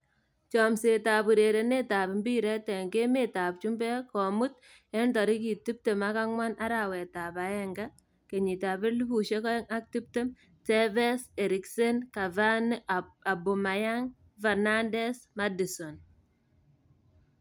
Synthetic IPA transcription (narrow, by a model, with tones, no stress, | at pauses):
t͡ʃɔ˨mse˨ta˨bu˨ɾe˨ɾe˨ne˦ta˨pɪ˨mbi˦ɾɛ˦tɛ˨ŋke˦me˨ta˨p̚t͡ʃu˦mbɛ˦kɔ˨mu˦t̚ | ɛ˦ntɔ˨ɾi˦ki˨ti˦p̚te˨ma˦ka˦ŋwa˦nʔa˦ɾa˨wɛ˨ta˨pa˦ɛ˦ŋɡa˦ | ke˨ɲi˨ta˨pɪ˦ɾlu˦pu˨ʃe˦kɔ˦ɛ˦ŋa˦k̚ti˦p̚te˦m | tɛ˦vɛ˦se˨ɾi˨kse˦nka˨vana˨bu˨ma˨ja˦ŋ | vɛ˨na˦ndɛ˦sma˦di˨sɔ˨n